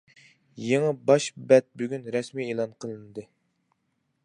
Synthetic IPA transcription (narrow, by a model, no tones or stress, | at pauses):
jeŋəbɑʃbɛt̪̚byɡʲynɾɛsmieːlˠɑnqʰəlˠɨnɨd̪ɨ